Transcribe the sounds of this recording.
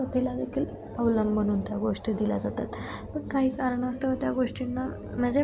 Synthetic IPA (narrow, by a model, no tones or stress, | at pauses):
əpʰelad̪ekʰiːl | əʋləmbʱənuːnt̪jaɡoʂʈiːd̪ilad͡zat̪at̪ | pəɳkaɦiːkaɾəɳast̪əʋət̪jaɡoʂʈinːa | m̤əd͡ʑe